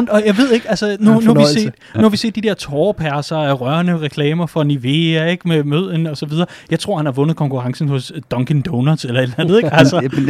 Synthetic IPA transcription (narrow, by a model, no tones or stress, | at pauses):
nɒ̽jɑ̈ɪʋe̝ð̞̰ˠe̝ɡ̥ælsənunuhæʋise̝̰ːd̥ | nuhæʋise̝̰ːd̥id̥eɐt͡sʰɒːpʰæɐsɐæʁɶɐnəʁɛkʰlɛːmɐfɒ̽niʋe̝ːɐe̝ɡ̥memøð̞̰ˠenɒ̽sɒ̽ʋið̞ˠɐːjɑɪt͡sʰʁo̝ɐ̰hænhɑ̈ʋɔ̽nəð̩ˠkʰɒ̽ŋkʰuʁɑ̈ŋsn̩hɔ̽sd̥ɒ̽ŋkʰend̥ɔnɐselɐe̝d̥lænəð̞̩ˠeɡ̥ælsə